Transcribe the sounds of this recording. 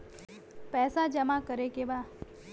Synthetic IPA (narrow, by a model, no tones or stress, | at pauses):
pɛːsad͡ʒəmãkəɾekeʋa